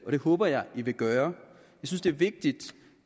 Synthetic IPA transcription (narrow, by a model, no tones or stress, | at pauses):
ɒ̽ɾ̥e̝hɔːb̥ɐjɑ̈ɪiʋe̝ɡ̥ɶːɐ | jɑ̈ɪsynsd̥e̝ɐʋe̝ɡ̥̚d̥id̥